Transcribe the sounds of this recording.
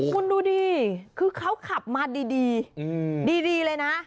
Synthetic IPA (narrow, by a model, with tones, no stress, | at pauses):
kʰu˧nduː˧diː˧kʰɯː˧kʰa˦˥wkʰa˨˩p̚maː˧diː˧diː˧ | diː˧diː˧lɤː˧jna˦˥ʔ